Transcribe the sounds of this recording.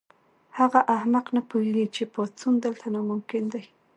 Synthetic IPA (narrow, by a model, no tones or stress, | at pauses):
haɣaʔahmaqnapujeɡit͡ʃepot͡sund̪əlt̪ʰanamʊmkɪnd̪aj